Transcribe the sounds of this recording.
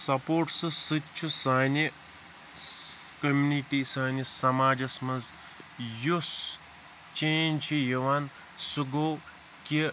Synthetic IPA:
sɐpoːɾʈsɨsɨtt͡ʃʰusaːni | kɐmʲjuniʈisaːnisɐmaːd͡ʒɐsmɐnz | jus | t͡ʃeːnʲt͡ʃʰijɐʋan | suɡoː | ki

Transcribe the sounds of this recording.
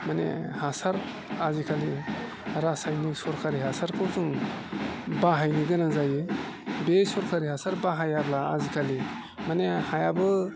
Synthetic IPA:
manḛhasaɾ | azikʰali | ɾasajnisɔɾkʰaɾiɦasaɾkʰɯwzuŋ | baɦajniɡɯnaŋzaje | besɔɾkʰaɾiɦasaɾbaɦajablaːzikʰali | manehajabɯ

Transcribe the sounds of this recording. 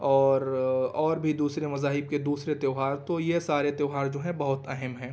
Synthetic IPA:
ɔːɾɔːɾbʱid̪uːsɾemɐzaːɦɪb̚ked̪uːsɾet̪eːʊɦaːɾt̪ojesaːɾet̪eːʊɦaːɾd͡ʒoːɦɛ̃bɐɦʊt̪ɛɦɛmɦɛ̃ː

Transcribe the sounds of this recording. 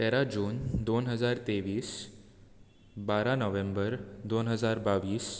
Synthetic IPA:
t̪ɛɾad͡ʑuːnd̪onɦəd͡zaɾt̪eʋiːs | baɾanəʋẽmbəɾd̪onɦəd͡zaɾbaʋiːs

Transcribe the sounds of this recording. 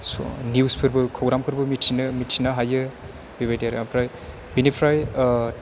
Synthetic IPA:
so̰niwspʰɯɾbɯkʰɔwɡɾamkʰɯɾbɯmitʰinɯmitʰinaɦajɯ | bibajdijaɾeapʰɾaj | binipʰɾaj

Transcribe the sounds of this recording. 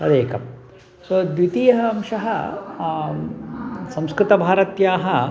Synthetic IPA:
ɐd̪eːkɐm | sod̪ʋit̪ijɐɦɐɐmʂɐɦɐ | sɐ̃m̃skɾɪt̪ɐbʱaːɾɐt̪jaːɦɐ

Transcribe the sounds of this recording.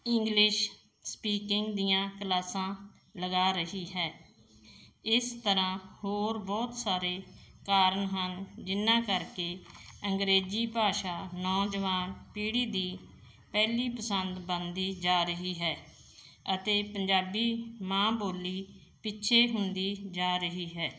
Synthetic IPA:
ɪŋɡlɪʃ | spiːkɪŋɡd̪ijãːkəlaːsãː | ləɡaːɾəɦiːɦɛː | ɪst̪əɾãːhoːɾbɔːt̪saːɾeːkaːɾəɳɦənd͡ʒɪnːãːkəɾkeːəŋɡɾeːd͡ʒiːpaːʃaːnɔːd͡ʒəʋaːnpiːɽiːd̪iː | pɛːliːpəsənd̪bənd̪iːd͡ʒaːɾəɦiːɦɛː | ət̪eːpəɲd͡ʒaːbiːmãːboːliː | pɪtːʃʰeːɦʊnd̪iːd͡ʒaːɾəɦiːɦɛː

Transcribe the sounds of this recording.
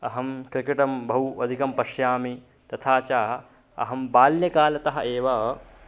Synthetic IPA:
ɐɦɐmkɾɪkɐʈɐmbʱɐwɐd̪ʱikɐmpɐʃjaːmi | t̪ɐt̪ʰaːt͡ʃaːɦɐ | ɐ̰ɦɐmbaːljɐkaːlɐt̪ɐɦɐʔeːʋɐ

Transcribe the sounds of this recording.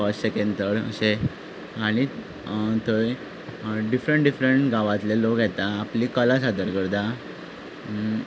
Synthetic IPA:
əsɕekẽnt̪əɽə̰ɕe | aɽ̃i | t̪oj | ɖifɾəɳʈɖifɾəɳʈɡãʋat̪lelokjɛt̪aːplikəlasad̪əɾkəɾd̪a

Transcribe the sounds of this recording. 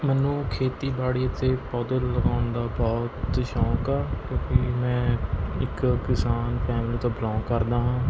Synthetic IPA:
mɛːnːũːkʰeːt̪iːbaːɽiːət̪eːpɔːd̪əlləɡaːʊnd̪aːbɔːt̪ʃɔ̃ːkaːkjõːkɪmɛ̃ːɪkkɪsaːnpʰɛːmliːt̪õːbəlãːkəɾd̪aːɦãː

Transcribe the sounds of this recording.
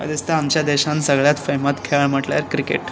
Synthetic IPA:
ə̰d̪ist̪aamt͡ɕjad̪eɕansəɡɭjat̪femat̪kʰeɭm̤əʈlja̰ɾkɾikḛʈ

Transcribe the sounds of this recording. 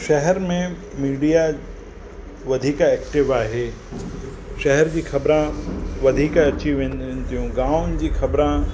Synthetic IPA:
ʃɛɦɛɾmẽ | miːɖija | ʋɐd̪ʱiːkaeːkʈɪʋaːɦe | ʃɛɦɛɾd͡ʑiːxɐbɾãʋɐd̪ʱiːkaɐt͡ɕiʋẽːnnt̪ijũɡãːnd͡ʑiːxɐbɾã

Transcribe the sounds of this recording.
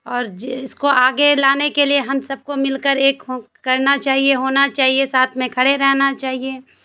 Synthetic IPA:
ɔːɾd͡ʒɪskoʔaːɡelaːnekelieɦɐmsɐb̚komɪlkəɾeːkɦː | ɐɾnat͡ʃaːɦieɦoːnat͡ʃaːɦiesaːt̪ʰmẽkʰɐɽeɾɛɦnat͡ʃaːɦieː

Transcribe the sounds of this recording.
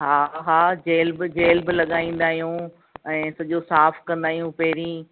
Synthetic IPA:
ɦaːɦaːd͡ʑeːlbɪd͡ʑeːlbɪlɐɠaːĩːn̆d̪aːɦijũ | ɛ̃ːsɐʄosaːfʰkɐ̃nd̪aːɦijũpɐɦɪɾĩː

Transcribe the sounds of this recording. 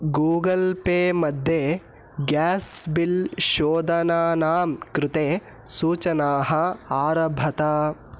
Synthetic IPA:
ɡuːɡɐlpeːmɐd̪ʱːje | ɡaːsbilʃoːd̪ɐnaːnaːmkɾut̪eː | suːt͡ʃɐnaːɦɐaːɾɐbʱɐt̪a

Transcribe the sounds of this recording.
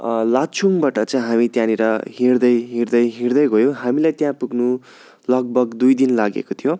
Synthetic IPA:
lat͡sʰumbaʈʌt͡sʌj̃ɦamit̪jãniɾʌɦiɾd̪ʌjɦird̪ʌjɦiɾd̪ʌjɦojõɦamilajt̪jãpuɡnu | lʌɡ̚bʱʌɡd̪ujd̪inlaɡḛkot̪ʰijo

